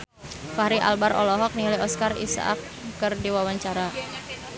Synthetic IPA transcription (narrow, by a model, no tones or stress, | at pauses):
fahɾiʔa̰lbaɾɔ̰lɔɦɔk̚niliɔskarḭsa̰ʔa̰kː | ɨrdiwawaɲt͡ʃaɾa